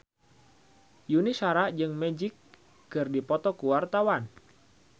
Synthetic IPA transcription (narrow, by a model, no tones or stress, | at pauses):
junisaɾaʔd͡ʒɨŋmɛd͡ʒikː | ɨrdipɔt̪ɔkuwart̪awan